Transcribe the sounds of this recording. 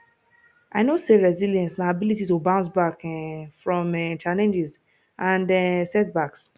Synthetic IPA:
ʔaɪnoseɹɛziljɛ̃nsnaabilititobãʊ̃nsbakɛfɹɔ̃mɛt͡ʃalɛ̃nd͡ʒɛz | ʔãndɛsɛt̚baks

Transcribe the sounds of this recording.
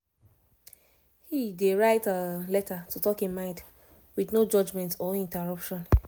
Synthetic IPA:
hideɹaɪtəlɛtatutɔkĩnmãɪ̃nd | widnod͡ʒɔd͡ʒmɛ̃ntɔĩntɛɹʌpʃɔ̃n

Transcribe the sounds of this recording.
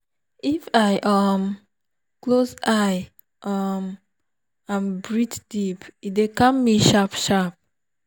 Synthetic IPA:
ifajʔam | klosaj | ʔam | ãmbɹitd̥ipidekãmːiʃapʃap̚

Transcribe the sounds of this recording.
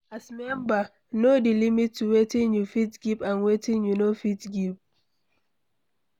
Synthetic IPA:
asmɛ̃mba | nodilimitʰːuwetĩŋjufitɡipãnwetĩŋjunofitɡip̚

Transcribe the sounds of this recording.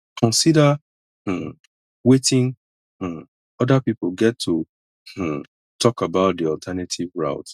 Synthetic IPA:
kʰɔ̃nsida | wetɪ̃ŋ | h̩ | ɔdapipl̩ɡɛtʰːu | tʰɔkabaʊt̚diɔltʰɛnatʰivɹa̰ʊt

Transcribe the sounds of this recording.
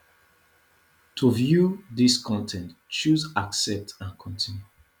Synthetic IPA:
tʰuvjuðiskʰɔ̃ntʰɛ̃ntt͡ʃuzaksɛp̚tʰãnkʰɔ̃ntʰĩnju

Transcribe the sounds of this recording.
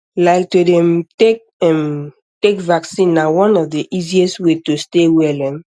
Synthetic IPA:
laɪk̚todɛ̃mtek | ɛm | tekvaksĩnːawɔ̃nɔvdeʔiziɛstwetostewɛlɛ̃m

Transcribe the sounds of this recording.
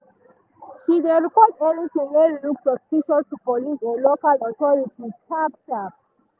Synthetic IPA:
ʃideɹipɔtonitumeluksɔspiʃɔtupɔlisɔlokalɔtɔɹitit͡ʃabʃap

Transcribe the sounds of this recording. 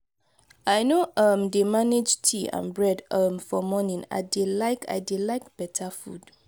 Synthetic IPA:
ajnoʔʌmdemaned͡ʒtʰiã̰nbɹɛdʌmfɔmɔnĩŋa̰ɪdelaɪkʰa̰jdilaɪk̚b̥ɛtʰafṵd

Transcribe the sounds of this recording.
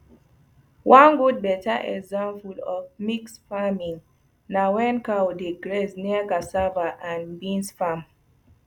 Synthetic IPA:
wʔãnɡud̚bɛtaʔɛkzãmfulɔvmiksfamĩŋ | nawɛ̃nkawdeɡɹesniakasavaʔãnbĩnsfam

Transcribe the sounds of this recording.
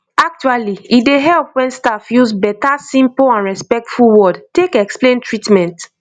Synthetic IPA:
ak̚t͡ʃualiideɦɛlpwɛ̃nstafjuzbɛtasĩmpoãnɹɛspɛk̚tfulwɔdtekɛksplẽntɹitmɛ̃nt

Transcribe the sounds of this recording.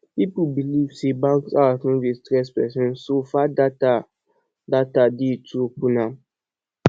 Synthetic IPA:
pipubilivsebãŋksafɔ̃destɾɛspɛsɛ̃nsofadata | datadetʰupunã

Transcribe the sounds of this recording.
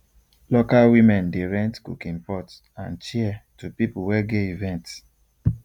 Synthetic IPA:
lokalwimɛ̃ndeɹɛ̃ntkṵkĩnpɔt | ãnt͡ʃiɛtupipuwɛɡeivɛ̃nt

